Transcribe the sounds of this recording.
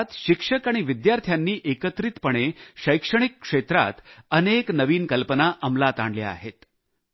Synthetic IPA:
t̪ɕikʂəkaɽ̃iʋid̪jaɾt̪ʰjanːiːʔekət̪ɾit̪pəɽ̃eɕəjkʂəɽ̃ikːʂet̪ɾa̰t̪əneknəʋiːnkəlpənaʔəmlat̪a̰ɳɖlḛa̰ɦet̪

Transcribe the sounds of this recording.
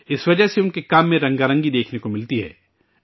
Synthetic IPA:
ɪsʋɐd͡ʒəɦseʊnkekaːmːẽɾɐ̃ŋɡaːɾɐ̃ŋɡid̪eːkʰnekomɪlt̪iɦɛ̰ː

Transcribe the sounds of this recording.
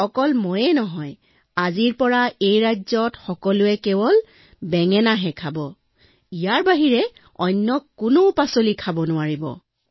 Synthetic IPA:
ɔkɔlmojɛnɔɦɔj | aziɹpɔɹaejɹazɔtxɔkɔlʊɛkɛbɔl | bɛŋɛnaɦɛkʰabɔ | ijaɹbaɦiɹɛ | ɔjnːɔkːʊnopasolikʰabɔnʊaɹibɔ̰

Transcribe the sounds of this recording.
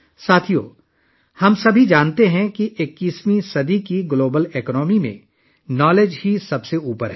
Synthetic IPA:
saːt̪ʰijo̰ː | hɐmsɐbʱid͡ʒaːnt̪eɦɛ̃kiʔɪkːiːsmisɐd̪ikiɡloːbəleknɔːmimḛ̃ | nɔːleːd͡ʒɦisɐbseuːpəɾɦɛː

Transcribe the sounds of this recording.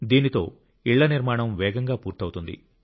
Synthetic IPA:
d̪iːnit̪o̞̰ː | iɭːɐniɾmaːɳɐmʋɛːɡɐŋɡaːpuːɾt̪ɐwut̪und̪ḭ

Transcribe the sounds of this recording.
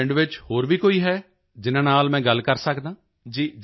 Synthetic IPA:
ɳɖʋɪt͡ʃhoːɾʋiːkoːiːɦɛː | d͡ʒɪnãːnaːlmɛ̃ːɡəlːkəɾsəkd̪ãː | d͡ʒiːd͡ʒ

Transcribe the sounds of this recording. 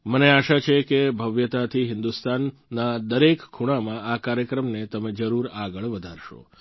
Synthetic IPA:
məneaʃat͡ʃʰekebʱəʋjət̪at̪ʰiɦɪnd̪ust̪anːad̪əɾekːʰuɽ̃amãakaɾjəkɾəmnet̪əmed͡ʒəɾuɾaɡəɭʋəd̪ʱaɾʃo̰

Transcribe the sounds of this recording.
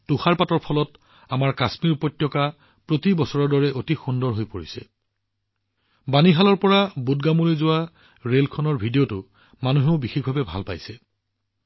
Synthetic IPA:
tuxaɹpatɔɹpʰɔlɔt | amaɹkasmiɹupɔtːjɔka | pɹotibɔsɔɹɔɹdɔɹɛʔotixundɔɹɦojpoɹisɛ̰ | baniɦalɔɹpɔɹabudɡamulojzʊwa | ɹelkʰɔnɔɹbʱidiotʊ | manuɦɛʊbixekbʱabɛbʱa̰lpa̰jsɛ

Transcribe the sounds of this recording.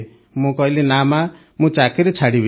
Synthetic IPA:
mũkɔɦilenama | mũt͡ʃakeɾet͡ʃʰaɽibi

